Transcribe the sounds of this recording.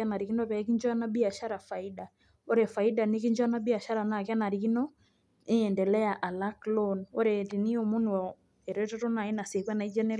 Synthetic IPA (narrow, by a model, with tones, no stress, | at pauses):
ana˨ɾi˨ki˦nɔ˦tɛ˨˦ki˦ɲd͡ʒwa˦na˦bi˦a˨ʃa˦ɾa˨fa˨i˦da˨ | o˦ɾɛfa˨i˦da˨neki˦ɲd͡ʒwa˦na˦bi˦a˨ʃa˦ɾa˨na˨ka˦na˨ɾi˨kinɔ˦ | e˦ɛ˨ndɛ˨lɛ˦a˨ʔa˨la˦klɔno˦ɾɛ˨tini˦o˨mu˦nwɔ | ɛ˨ɾɔ˦tɔ˦ɾo˦na˨e˦na˨se˨kwa˦na˨i˦d͡ʒa˦ne˦